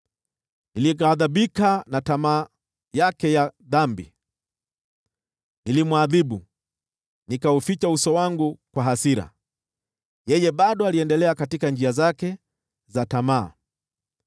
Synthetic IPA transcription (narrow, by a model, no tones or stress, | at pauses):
niliɣaðaɓikanatamaː | jakɛjaðambḭ | nilimwaðiɓu | nikaufit͡ʃausɔwaŋɡukwaɦasiɾa̰ | jɛjɛɓaɗɔaliɛndɛlɛakatikand͡ʒiazakɛ | zatama̰ː